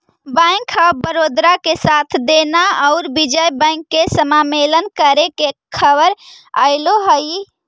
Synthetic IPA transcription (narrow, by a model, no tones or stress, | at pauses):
bə̃kʰəbəɾod̪ɾakesat̪ʰd̪enaəʊɾbid͡ʒəjbə̃ɪŋkːesəmamelənkəɾekekʰəbəɾ | a̰jloɦəj